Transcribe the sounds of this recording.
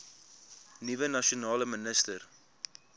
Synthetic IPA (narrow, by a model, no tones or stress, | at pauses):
nivənɐʃionɑːləmənəstər